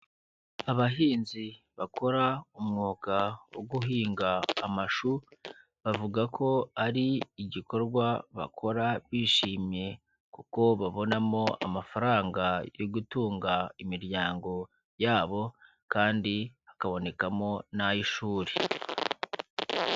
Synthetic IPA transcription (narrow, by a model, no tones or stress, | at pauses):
aβaɦiːnzi | βakʰo̞ɾaumŋuːkawoɡuɦiːŋɡaːmaʃu | βavuɡakʰo̞aɾiːɟiko̞ɾɡwaβa̰kʰo̞ɾaβiːʃiːmje̞ | kuko̞βaβo̞namo̞a̰mafaɾaːŋɡajoɡutuːŋɡaimiɾɟjaːŋɡo̞ | jaːβo̞ | kaːndiakaβo̞ne̞kamo̞najiʃuːɾe